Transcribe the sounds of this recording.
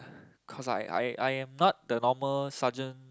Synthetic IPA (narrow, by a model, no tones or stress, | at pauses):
kʰɔsa̰ja̰jʔa̰jɛ̃mnɔt̚dənɔməlsad͡ʒə̃n